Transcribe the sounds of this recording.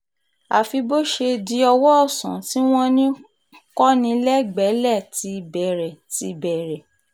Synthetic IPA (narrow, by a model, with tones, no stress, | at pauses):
a˨fi˧bo˦ʃe˧di˧ɔ˧wɔ˦ɔ˦˨sã̰˨˦ti˦w̃ɔ̃˦nĩ˦ | kɔ˦nĩ˧lɛ˦ɡ͡bɛ˨˦lɛ˦˨ti˧bɛ˨ɾɛ˨ti˧˨bɛ˨ɾɛ˨